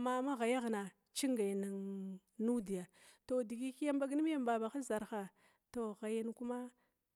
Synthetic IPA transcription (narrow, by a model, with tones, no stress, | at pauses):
ma˦ma˦ɣa˨ja˦ɣna˨ | t͡ʃi˦ŋɡa˨jna˨ŋ | nu˦di˨ja˨to˨di˨ɡi˦ki˦ja˦mba˦ɡni˦m˦a˦mba˨ba˨xa˦za˨ɾxa˨ | to˨ɣa˨ja˦n˦ku˦ma˦